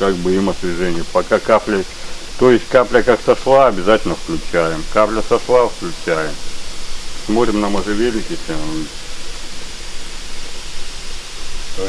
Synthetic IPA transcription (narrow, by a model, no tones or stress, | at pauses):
kak̚bɨimɐsvʲɪʐɛnʲɪjəpɐkakaplʲə | t̪ojɪsʲtʲkaplʲəkaksɐʂlˠaɐbʲɪzatʲɪlʲnəfklʲʉt͡ɕæjɪmkaplʲəsɐʂlˠafklʲʉt͡ɕæjɪm | smo̞t̪ɾʲɪmnɐmɐʐɨvʲelʲnʲɪkʲɪsʲa